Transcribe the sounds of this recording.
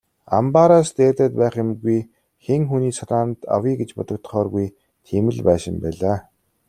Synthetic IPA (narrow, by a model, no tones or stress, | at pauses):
a̰mpaɾast̪eːt̪aːt̪̚pæːχjɪmɡuj | xeŋxuniːsaɾaːnt̪a̰wiːɡet͡ɕpɔt̪ɞ̆k̚t̪̆χɔːrɣuj | t̪ʰemɘ̆ɮpæːʃɪ̆mpæ̰ːɮaː